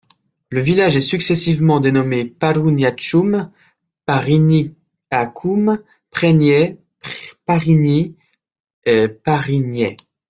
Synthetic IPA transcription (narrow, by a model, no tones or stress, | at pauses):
ləvilaʒɛsyksɛsivmɑ̃d̪enɔmepaɾunjat͡ʃum | paʁini | akʰum | pχɛnjɛ | paʁini | paʁinjɛ